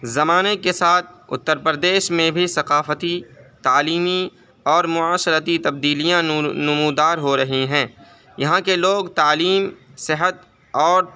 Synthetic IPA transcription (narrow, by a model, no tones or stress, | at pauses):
zɐmaːnekesaːt̪̚ʰʊ̰t̪ːəɾpɾəd̪eːʃmẽbʱisɐqaːfət̪it̪aːliːmi | ɔːɾmʊaːʃəɾət̪it̪ɐb̚d̪iːlijãnʊmuːd̪aːɾɦoɾɐɦiɦɛ̃ː | jɐɦãkeloːɡt̪aːliːmsɪɦət̪ | ɔːɾ